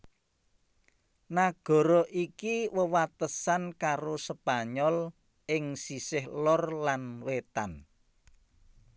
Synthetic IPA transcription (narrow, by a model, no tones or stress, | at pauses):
naɡ̥ɔ̤ɾɔʔikiwəwat̪əsankaɾosəb̥a̤ɲɔl | ʔɪŋsisɪhlɔrlanwet̪an